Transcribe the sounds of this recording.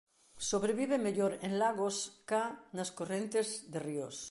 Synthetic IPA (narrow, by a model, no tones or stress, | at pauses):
soβɾeβiβemeʎoɾẽnlaɣoskanaskorẽnt̪ezðerios